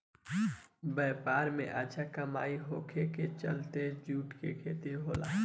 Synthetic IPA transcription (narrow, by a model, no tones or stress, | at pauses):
bɛːpaːɾmḛ̃ʔət͡ʃʰakɐmaːiɦoːkʰeket͡ʃɐlt̪ed͡ʒuːʈkekʰeːt̪eɦoːla̰ː